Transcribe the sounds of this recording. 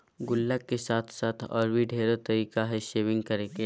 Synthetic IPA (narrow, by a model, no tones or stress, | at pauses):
ɡʊlːəkːesaːt̪ʰsaːt̪ʰɔ̰ːɾbʱiɖʱeːɾet̪ɐɾiːkaɦɛʃeːʋɪ̃ŋɡkɐɾeːke